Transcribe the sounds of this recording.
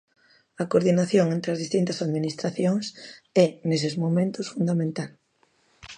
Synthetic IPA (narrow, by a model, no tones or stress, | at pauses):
ɐkoɾðinaθjoŋent̪ɾeɐzðist̪int̪ɐsaðminist̪ɾaθjoŋsɛnes̬ɪzmomẽnt̪ʊsfund̪amẽnt̪al